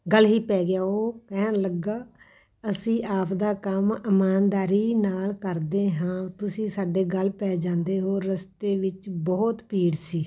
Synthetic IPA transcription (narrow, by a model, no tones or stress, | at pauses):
ɡəlɦiːpɛːɡɪjaːoːkɛɦnləɡːaː | əsĩːʔaːpʰd̪aːkəmɪmaːnd̪aːɾiːnaːlkəɾd̪eːɦãːt̪ʊsĩːsaːɖeːɡəlpɛːd͡ʒãːnd̪eːɦoːɾəst̪eːʋɪt͡ʃbɔːt̪piːɽsiː